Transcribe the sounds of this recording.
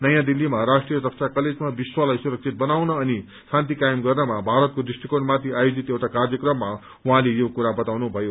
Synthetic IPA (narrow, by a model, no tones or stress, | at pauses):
nʌjãd̪ilːimaɾasʈrijʌd̪ʌksʰakʌled͡zmabiswalajsuɾʌk̚t͡sʰit̪̚bʌnawnʌːni | sãnt̪ikajimɡʌrnʌmabʱaɾʌt̪̚kod̪isʈikonmat̪ʰiajod͡zit̪jewʈakarjʌkrʌmːa | uɦãlejokuɾabʌt̪awnubʱʌjo